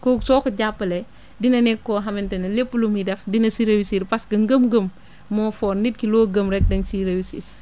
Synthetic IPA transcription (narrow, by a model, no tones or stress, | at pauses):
kɔsɔːkɐɟapːɐlɛ | dinɐnɛkːɔːɦɐmɛntɐnɐlepːulumidɛfdinɐsiɾɐwisiɾpɐsɡɐŋɡəmɡəmː | ɔːfɔːɾnit̚kilɔːɡəmɾɛk̚dɐŋsiɾɐwisḭ